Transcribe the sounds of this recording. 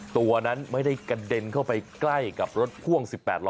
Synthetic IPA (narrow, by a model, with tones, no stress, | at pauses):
t̪u˧ɐna˦˥nma˥˩jda˥˩jka˧de˧nkʰa˥˩wpa˧jkla˥˩jka˨˩p̚ɾo˦˥t̪̚kʰu˥˩əŋsi˨˩pːɛ̰ː˨˩t̪̚lɔ˦